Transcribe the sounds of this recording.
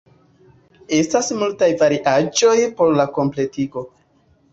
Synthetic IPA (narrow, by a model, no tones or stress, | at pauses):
e̞stasmultajvaɾiʔad͡ʒo̞jpo̞ɾlako̞mple̞tiɡo̞